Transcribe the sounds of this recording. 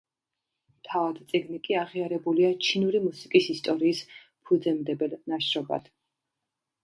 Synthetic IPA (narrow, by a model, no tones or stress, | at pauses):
mt̪ʰavad̪t̪sʼiɡnikʼiaʁiaɾɛbuliat͡ʃʰinuɾimusikʼisist̪ʼɔɾiːs | pʰud̪zɛmd̪ɛbɛlnaʃɾɔba̰d̪̥